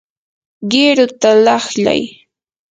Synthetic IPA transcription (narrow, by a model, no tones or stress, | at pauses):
ɢɪɾʊt̪alɑχʎa̰j